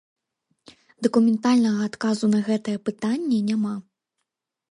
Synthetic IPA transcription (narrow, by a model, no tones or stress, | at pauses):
d̪ɐkumʲɛnt̪alʲnɐɣɐːt̪kazunɐɣɛt̪ɨjɛpɨt̪anʲːɛnʲama